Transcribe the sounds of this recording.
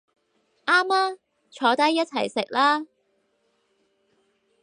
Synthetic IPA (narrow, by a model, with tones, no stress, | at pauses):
ʔaː˥maː˥ | t͡ʃʰɔː˨˥t̪ɐ˥jːɐ˥t̚t͡sʰɐ˨˩jsɪ˨k̚laː˥